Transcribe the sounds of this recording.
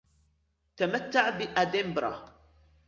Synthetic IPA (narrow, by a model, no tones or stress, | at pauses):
t̪amat̪ːaʕbɪʔad̪ɪmbɾˤɑ̰